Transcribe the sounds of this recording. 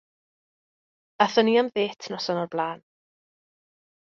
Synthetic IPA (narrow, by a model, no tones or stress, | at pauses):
aθəniamðeːtʰnɔsɔnɔrblˠaːn